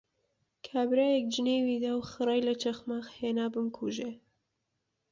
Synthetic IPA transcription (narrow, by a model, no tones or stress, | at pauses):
kʰaːbɾaːjɛk̚d͡ʒɨneːwid̪aːwxɨɾɑjlɐt͡ʃʰɐxmaːxheːnaːbɨmkʰuʒe